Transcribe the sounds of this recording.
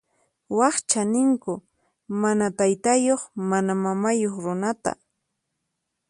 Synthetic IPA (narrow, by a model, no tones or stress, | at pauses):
wɑχt͡ʃanɪŋkʊ | manat̪ajt̪ajoχmanamamajoχɾʊnat̪a̰